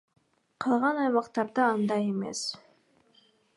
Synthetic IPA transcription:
qʰɑlˠʁɑnɑjmɑqt̪ɑɾd̪ɑɑnd̪ɑjeme̞̰s

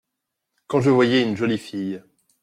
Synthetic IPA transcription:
kɑ̃ʒəvwajɛynʒɔlifij

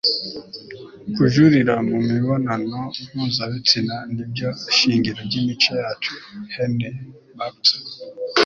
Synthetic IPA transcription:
kuʒuɾiɾamumiβonanomuːzaβit͡sinanibɟoʃiːŋɟiɾoɟimit͡ʃojaːt͡ʃuheni | bak̚to̥

